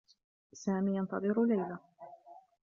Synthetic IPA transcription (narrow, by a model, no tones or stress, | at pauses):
saːmiːjɑnt̪ɑðˤɨɾlajla